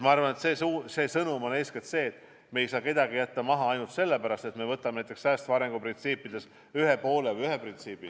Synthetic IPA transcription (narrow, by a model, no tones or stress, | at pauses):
mɑɑrvɑne̞t̪sesuːse̞ːsɤnumo̞neːsket̪se̞ːt̪ːˑ | me̞jsɑːke̞d̪̥ɑɡijæt̪ːɑmɑɦɑɑjnult̪se̞lːepæɾɑst̪e̞t̪me̞vɤt̪ːˑɑmnæjt̪ːˑeksæːst̪vɑɾe̞ŋɡ̥uprint̪siːpːˑid̪̥e̞s | yɦepo̞ːlevɤjyɦeprint̪siːbi